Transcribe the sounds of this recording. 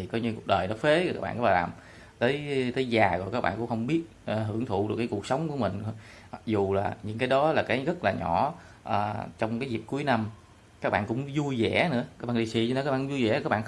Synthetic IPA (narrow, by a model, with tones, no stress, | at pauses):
i˨˩kɔ˨˦ɲɨ˧ku˨˩ək̚ɗəː˨˩jnɔ˨˦fe˨˦˧aː˦˥ɓa̰ː˧˨kːaː˦˥˩ɓaː˧˨laː˨˩m | t̪əː˨˦jt̪əː˨˦jzaː˨˩ɣɔ˨˩kaː˦˥k̚ɓa̰ː˧˨nkʊ̰˧˥ŋ͡mxə˧ŋ͡mɓi˦˥ət̚ʔɦɨ˧˩əŋt̪ʰṵ˧˨ɗɨ˨˩kːaː˨˦ku˨˩k̚sə˨˦wŋ͡mku˧˩əmï˨˩ŋ̟˨ | ma˨˩k̚zu˨˩laː˨˩ɲɨ̰˧˥ŋkaː˨˦jɗɔ˨˦laː˨˩kaː˨˦jɣə˦˥t̚laː˨˩ɲɔ˧˩˦ | ʔəː˨˩t͡ɕɔ˧wŋ͡mkaː˨˦jzi˨˩p̚ku˨˦əjna˧m | kaː˦˥k̚ɓa̰ː˧˨nkʊ̰˧˥ŋ͡mzu˧jzɛ̰˧˩˥nɨ̰˧˥əkaː˦˥k̚ɓa̰ː˧˨ɗi˧si˧t͡ɕɔ˧ne˧˨˦kaː˦˥ɓaː˧˨˧u˧˦zu˧jzɛ̰˧˥kaː˦˥ɓa̰ː˧˨˩